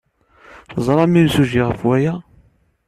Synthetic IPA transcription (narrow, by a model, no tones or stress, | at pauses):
θzˤɾˤɑmimsuʒiʁəfwæjæ